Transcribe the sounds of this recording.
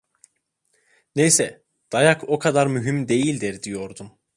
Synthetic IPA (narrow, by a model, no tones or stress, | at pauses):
nejsɛ | d̪̥ajakʰo̞kʰad̪aɾmyɦymd̪e̞jilʲd̪iɾd̪ijo̞ɾd̪um